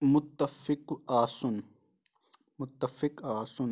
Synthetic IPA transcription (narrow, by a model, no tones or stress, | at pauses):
mʊt̪ːɐfɪqaːsʊn | mʊt̪ːɐfɪqaːsʊn